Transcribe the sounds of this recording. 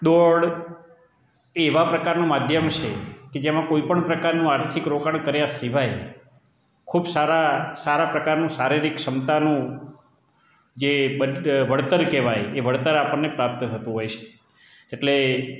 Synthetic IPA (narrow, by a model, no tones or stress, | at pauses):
d̪oɽ | eːʋapɾəkaɾnũmad̪ʱjəmt͡ʃʰeked͡ʒemãkoipəɳpɾəkaɾnũaɾt̪ʰikɾokaɳkəɾjasiʋʱaj | kʰubsaɾasaɾapɾəkaɾnũsaɾiɾikʃəmt̪anũ | d͡ʒeɓəʋəɽɭt̪əɾkeʋajeʋəɭt̪əɾapəɳːepɾap̚t̪t̪ʰət̪ũɦojt͡ʃʰe̥ː | ʈle